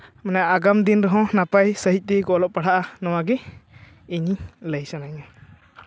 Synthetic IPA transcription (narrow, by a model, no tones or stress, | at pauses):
manaʔaɡamd̪inɾɔɦɔ̃napajsəɦic̚ˀt̪ɛɡɔʔlɔʔpaɽ̤aʔanɔwaɡɛ | iɲiləjsanaɲa